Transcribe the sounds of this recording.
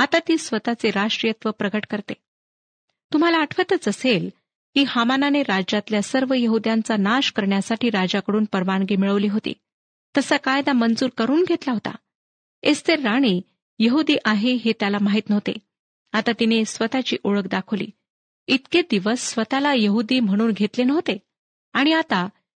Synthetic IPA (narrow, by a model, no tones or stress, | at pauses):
at̪at̪iːsʋət̪at͡seɾaʂʈɾijət̪ʋəpɾəɡəʈkəɾt̪e | t̪um̤alaːʈʰʋət̪ət͡səsel | kiːhamananeɾad͡ʑat̪ljasəɾʋəjəɦud̪jant͡sanaɕkəɾɳjasaʈiːɾad͡ʑakəɽuːnpəɾʋaɳɡemiɭəʋliːɦot̪ḭː | t̪əsakajd̪amənd͡zuːɾkəɾuːnɡʱet̪laɦot̪a̰ | est̪eɾːaɽ̃iː | jəɦud̪iːʔaɦeɦet̪jalamaɦiːt̪nəʋt̪ḛ | at̪at̪inesʋət̪at͡ɕḭːʔoɭəkd̪akʰəʋlḭː | it̪ked̪iʋəsːʋət̪alajəɦud̪iːm̤əɽ̃uːnɡʱet̪lenəʋt̪e | aɽ̃iat̪a